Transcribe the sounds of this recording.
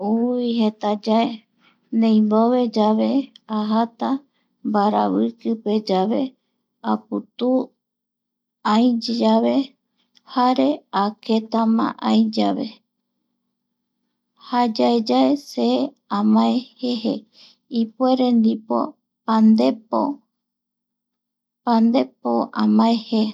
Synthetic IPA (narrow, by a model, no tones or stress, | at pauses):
uihet̪ad͡ʒae | nẽjmboβe̞d͡ʒaβe̞aɦat̪a | mbaɾa̰βɨkɨpe̞d͡ʒaβe̞ | aput̪u | ajd͡ʒaβe̞ | haɾe̞ake̞t̪amã̰ʔajd͡ʒaβe̞̰ | had͡ʒaed͡ʒaese | ãmãehehe | ipue̞ɾend̪ipo̰ | pand̪epo | pand̪e̞poʔãmãehe